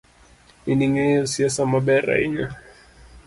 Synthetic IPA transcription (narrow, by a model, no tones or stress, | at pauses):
iniŋɛjɔsiasamaɓɛɾa̰iɲa